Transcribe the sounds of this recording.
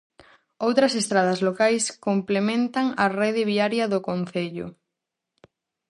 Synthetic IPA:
owt̪ɾɐsest̪ɾaðɐzlokajskomplemẽnt̪ɐŋɐrɛðɪβiaɾjɐðʊkonθeʎʊ̰

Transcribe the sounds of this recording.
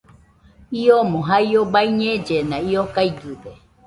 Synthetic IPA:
iomõɦaiobaiɲẽd͡ʒenãiokaiɡɨde

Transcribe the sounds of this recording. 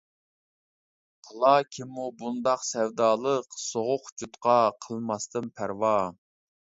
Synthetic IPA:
qʰəlˠɑkʲʰimːubund̪ɑqsɛwd̪ɑːlˠəqsoʁʊqd͡ʒut̪qɑqʰəlˠmɑst̪ɨnpʰæɾwɑ

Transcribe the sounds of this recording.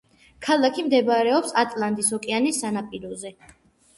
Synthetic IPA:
kʰalˠakʰimd̪ɛbaɾɛɔpsat̪ʼlˠand̪isɔkʼɛanisːanapʼiɾɔzɛ

